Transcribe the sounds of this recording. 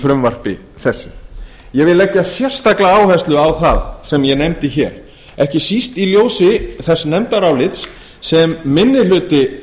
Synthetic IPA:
fɾʏmvar̥pɪ̰ | θɛsːɪ | jɛɣvɪðlɛcːasjɛr̥st̪aklaaːwhɛst̪lʏawθaðsɛmjɛnejmt̪ɪçɛːɾ | ɛhcɪsist̪iljoːwsɪθɛsːnɛmt̪aɾawlɪt̪s | sɛmːɪnːɪlʏːt̪ɪ

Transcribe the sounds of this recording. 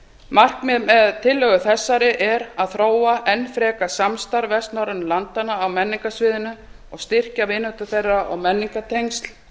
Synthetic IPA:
mar̥kmɛðmɛðt̪ʰɪlːœɣʏθɛsːaɾɪʔɛɾaðθɾoːwaʔɛnːfɾɛːkasamst̪aɾvɛst̪naɾʏnlant̪anaːwmɛnːiŋkasvɪːðɪnʏ | ɔɣst̪ɪr̥cavɪnœht̪ʏθejrːaʔɔɣmɛnːiŋkat̪ʰejŋst̪l

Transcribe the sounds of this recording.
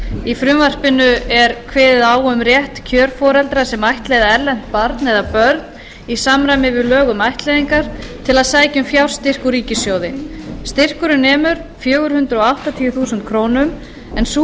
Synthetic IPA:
ifɾʏmvar̥pɪnʏɛɾkʰvɛːðɪðaːwʏmɾjɛht̪cʰœːɾ̥fɔːɾɛlt̪ɾasɛmajht̪lejðaɛɾlɛn̥t̪̚paɾt̪nɛðapœɾt̪n | isamɾajmɪvɪðlœːɣʏmajht̪lejðiŋkaɾ̥t̪ʰɪlaðsaːjcʏmfjawɾ̥st̪ɪr̥kuɾiːcɪsjoːwðɪst̪ɪr̥kʏɾʏnɛːmʏɾ̥fjœːɣʏɾ̥hʏnt̪ɾʏɔawht̪at̪ʰiːjʏθuːsʏnt̪kʰɾoːwnʏm | ɛnsu

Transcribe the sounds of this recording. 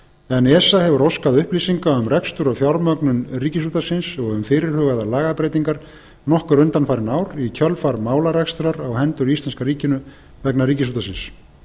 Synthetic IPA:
ɛnɛsahɛvʏɾowskaðʏhpliːsiŋkaʏmrɛkst̪ʏɾawfjawɾmœknʏnriːcɪsuːt̪asɪnsɔɣʏmfɪːɾɪɾ̥hʏːɣaðalaːɣapɾejt̪iŋkaɾ | nɔhkʏɾʏnt̪anfaːɾɪnaːwɾicʰœlfaɾmaːwlaɾɛkst̪ʏɾaɾawhɛnt̪ʏɾist̪lɛnskaɾiːcɪnʏ | vɛknariːcɪs̬uːt̪asɪns

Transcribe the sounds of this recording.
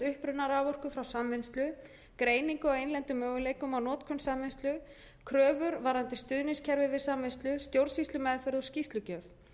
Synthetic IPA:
ʏhpɾʏnːaɾavɔr̥kʏfɾawsamvɪnst̪lʏ | kɾeːjniŋkʏɔwejnlɛnt̪ʏmœːɣʏlejkʏmawnɔːt̪kʰɔnsamvɪnst̪lʏ | kʰɾœːvʏɾvaɾant̪ɪst̪ʏðnɪnscʰɛɾvɪvɪsamvɪnst̪lʏst̪jowɾsist̪lʏmɛðfɛɾðɔscist̪lʏcœːf

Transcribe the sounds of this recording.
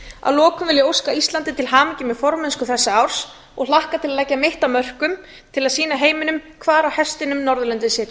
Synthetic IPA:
a̰ðlɔːkʏmvɪljɪowskaist̪lant̪ɪt̪ʰɪlɦaːmɪcɪmɛðfɔɾmɛnskʏθɛsːɪaːwɾ̥s | ɔɣl̥ahkat̪ʰɪlaðlɛjcːameht̪amœr̥kʏm | t̪ʰɪlaðsiːnaɦeːjmɪnʏmkʰvaːɾawhɛst̪ɪnʏmnɔɾðʏlɛnt̪ɪsɛɾ

